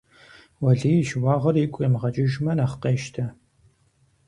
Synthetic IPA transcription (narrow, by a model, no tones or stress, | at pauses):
wɐɮiːjʃwɑːʁɐrikʷʼemʁɐt͡ʃʼɪʒmɐnaχqeːʃtʰɐ